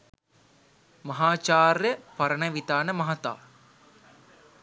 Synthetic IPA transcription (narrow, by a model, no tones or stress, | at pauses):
mɐɦaːt͡ʃaːrjəpɐɾənəʋit̪aːnəmɐɦat̪a̰ː